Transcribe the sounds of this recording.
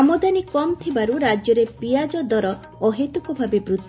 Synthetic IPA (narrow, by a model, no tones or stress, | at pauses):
ɔmɔd̪anikɔmt̪ʰibaɾuɾad͡ʒjɔɾepijad͡ʒɔd̪ɔɾɔ | ɔɦet̪ukɔbʱabebɾut̪